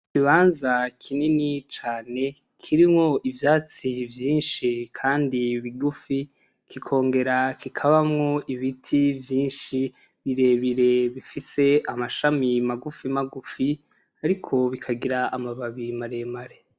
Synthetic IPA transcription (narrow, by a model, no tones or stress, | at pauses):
kiβaːnzakʰininit͡ʃaːne̞ | kʰiɾimŋo̞ʔivjaːt͡sivjiːnʃikʰaːndiβiɡufi | kʰikʰo̞ːŋɡe̞ɾakikʰaβamŋo̞iβitʰivjiːnʃi | βiɾe̞βiɾe̞βifise̞amaʃamimaɡufimaɡufi | aɾikʰo̞βikʰaɡiɾaːmaβaβimaɾe̞maɾe